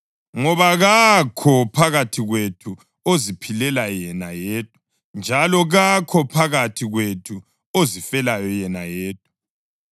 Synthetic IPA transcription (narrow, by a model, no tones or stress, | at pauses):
ŋɔβaɣakʰɔpʰaɣatʰiɣwetʰu | ozipʰilɛlajɛnajeːtʰu̥ | nd͡ʒʱalɔɣakʰɔpʰaɣatʰiɣwetʰu | ozifɛlajɔjɛnajeːt̚ʰʼu̥